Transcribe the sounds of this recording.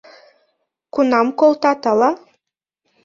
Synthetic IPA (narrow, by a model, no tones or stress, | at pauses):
kunɑmkolt̪ɑt̪ɑlɑ